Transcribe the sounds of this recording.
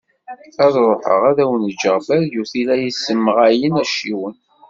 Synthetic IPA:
æðˤɾˤoħə̰ʁæðæwənəd͡ʒːəʁbæljuθilæjəsːəmːəʁæjənæʃiwən

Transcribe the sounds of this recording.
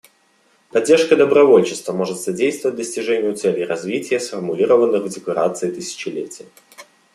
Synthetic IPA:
pɐdʲːerʂkəd̪əbɾɐvo̞lʲt͡ɕɪst̪vəmo̞ʐɨt̪sɐdʲejst̪vəvət̚ʲd̪əsʲtʲɪʐɛnʲɪjʊt̪sɛlʲɪjɾɐzvʲitʲɪjəsfərmʊlʲiɾəvənːɨxvdʲɪkɐɾa̰t̪sɨɪt̪ɨsʲɪ̥t͡ɕɪlʲḛtʲɪjə

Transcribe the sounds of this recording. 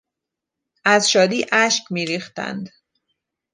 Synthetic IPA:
ʔæzʃɒːd̪iːʔæʃcmiːɾiːxt̪æ̰nd̪

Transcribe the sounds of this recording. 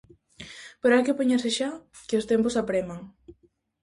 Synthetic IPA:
peɾoajkepeɲaseʃa | kɪost̪emposapɾemaŋ

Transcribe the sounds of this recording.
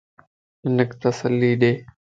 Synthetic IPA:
ɪnəkt̪əsəlːiːɗeː

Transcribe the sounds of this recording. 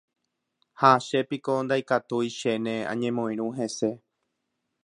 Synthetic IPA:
haʃe̞piko̞nd̪ajkat̪uiʃenẽã̰ɲẽmõĩɾ̃ũɦe̞se̞

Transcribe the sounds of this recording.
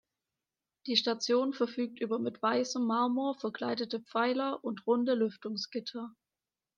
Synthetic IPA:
d̥iːʃtat͡sjoːnfɛɐfyːk̚tʔyːbɐmɪtv̥aɪsəmːaɐmuɐfɛɐklaɪdətəp͡faɪlɐʔʊntʁʊndəlʏftʊŋsɡ̥ɪtʰɐ

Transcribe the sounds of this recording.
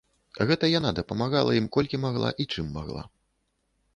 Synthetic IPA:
ɣɛt̪ɐjanad̪ɐpɐmaɣalˠɐ̰jimkɔlʲkʲimaɣlˠa̰ʔit͡ʂɨmːa̰ɣlˠa̰

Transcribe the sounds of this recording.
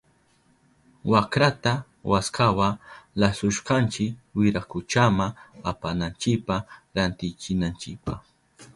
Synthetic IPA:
wakɾat̪a | waskawalasʊʃqɑnt͡ʃɪkwɪɾakʊt͡ʃamaapanant͡ʃɪk̚paɾant̪ɪjt͡ʃɪnant͡ʃɪk̚pɑχ

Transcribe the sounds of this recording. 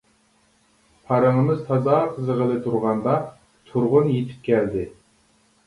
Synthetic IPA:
pʰɑɾəŋəmɨzt̪ʰɑzɑqʰəzəʁəlˠɨt̪ʰuɾʁɑnd̪ɑ | t̪ʰuɾʁʊnjet̪ʰɪ̥p̚kʲʰæld̪ɪ

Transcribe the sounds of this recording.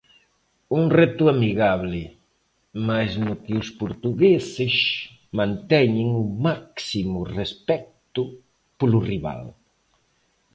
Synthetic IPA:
uŋrɛt̪ʊamiɣaβlɪ | majznʊkɪʊspoɾt̪uɣesɪs | mãnt̪ɛɲɪŋʊmaksimʊrespɛk̚t̪ʊ | polʊriβa̰l

